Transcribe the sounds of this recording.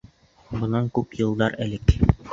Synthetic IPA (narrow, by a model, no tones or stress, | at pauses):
bŏnɑŋkʉpjɤ̆lˠd̪ɑɾælɘk